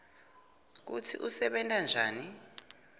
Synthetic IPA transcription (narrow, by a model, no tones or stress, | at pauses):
k̬utʰḭʔusɛɓɛntʼand͡ʒʱaːni